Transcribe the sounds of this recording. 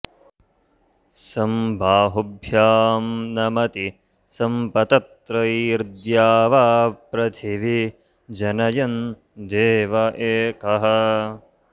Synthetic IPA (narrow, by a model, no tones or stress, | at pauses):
sɐmbʱaːɦobʱjaːmnɐmɐt̪i | sɐmpɐt̪ɐt̪ɾɐiɾd̪jaːʋaːpɾɐt̪ʰiʋi | d͡ʒɐnɐjɐn | d̪eːʋɐʔeːkɐɦɐ